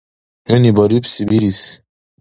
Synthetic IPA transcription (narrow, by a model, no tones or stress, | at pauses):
henibaɾipsibiɾis